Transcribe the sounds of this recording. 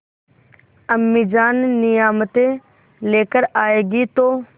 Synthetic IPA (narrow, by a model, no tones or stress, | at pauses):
əmːiːd͡ʒaːnːɪjaːmət̪e | leːkəɾaːeːɡit̪oː